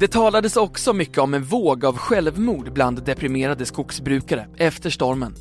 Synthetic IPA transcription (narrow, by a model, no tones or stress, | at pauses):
d̪̥ɛt̪ʰɑːlad̪əsɔksɔmʏkːəɔmɛnvoːɡavɧɛlvmuːɖbland̪ːɛpʰɾɪmeːɾad̪əskʊksbɾʉ̟ːkaɾəɛft̪əʂʈɔɾmən